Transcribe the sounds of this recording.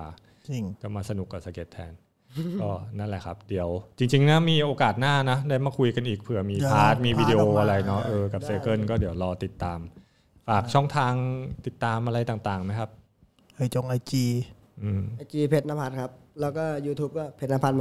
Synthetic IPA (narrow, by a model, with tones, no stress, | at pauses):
t͡ɕi˧ŋt͡ɕa˨˩maː˧sa˧nu˨˩kːa˨˩sa˧˩ke˦˥t̪ʰːɛ̰ː˧n | ɔː˥˩na˦˥˩nlɛ˨˩kʰa˦˥p̚di˩˦əwt͡ɕi˧ŋt͡ɕi˧ŋnɛ˦˥miː˧ʔoː˧kaː˨˩t̪̚naː˥˩na˦˥daː˥˩jmaː˧˩kʰu˧jka˧nʔiː˨˩k̚pʰɯ˨˩ɐmiː˧pʰaː˦˥t̪̚miː˧wiː˧di˧ʔoː˧ʔa˧ɾa˧jnɔ˦˥ʔɤː˧ka˨˩p̚seː˧kɤ˥˩nkɔː˥˩diː˨˩˦əwɾɔː˧t̪i˨˩t̪ːaː˧m | faː˨˩k̚t͡ɕʰɔ˥˩ŋt̪ʰaː˧ŋt̪i˨˩t̪ːaː˧mʔa˧ɾa˧jt̪aː˨˩ŋt̪aː˨˩ŋma˦˥jkʰa˦˥p̚ | ʔa˧˩jt͡ɕo˧ŋʔa˧jt͡ɕiː˧ | ʔɯː˧ma˧jt͡ɕiː˧pʰe˦t̪̚na˦˥mpʰa˦˧t̪̚kʰa˦˥p̚lɛː˦˥wkɔː˥˩juː˧t̪ʰuː˦˥p̚kɔː˥˩pʰe˧˥t̪̚na˧˥mpʰa˦˥t̚m˧